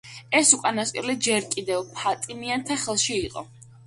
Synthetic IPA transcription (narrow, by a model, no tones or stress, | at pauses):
ɛsukʼanast̪ʼɛlɛd͡ʒɛɾkʼid̪ɛvpʰat̪ʼimiant̪ʰaχɛlˠʃiːqʼɔ̰